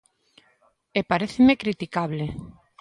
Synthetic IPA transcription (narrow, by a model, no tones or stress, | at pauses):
epaɾeθemekɾit̪ikaβle